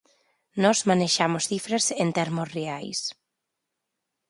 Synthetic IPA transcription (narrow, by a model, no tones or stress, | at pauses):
nɔzmaneʃamosθifɾɐsent̪ɛɾmosreajs